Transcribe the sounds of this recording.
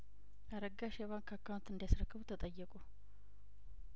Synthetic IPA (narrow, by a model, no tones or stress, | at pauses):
ʔaɾəɡːaʃɛβaŋkʰːakːawunt̪ɨnd̪jasɾəkʰːəβut̪ʰət̪ʼəjːɛkʼu